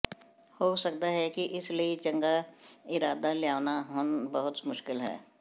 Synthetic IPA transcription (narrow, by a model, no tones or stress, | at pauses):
hoːsɐk̚d̪aɦɛkiʔɪsliit͡ʃɐ̃ŋɡaɪɾaːd̪aljaːʋnaɦʊnbɐɦʊt̪mʊʃkɪlɦɛ̰ː